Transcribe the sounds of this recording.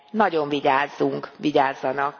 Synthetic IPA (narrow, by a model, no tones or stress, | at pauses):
nɒɟo̞ɱviɟaːzːuŋkʋiɟaːzːɒnɒk̚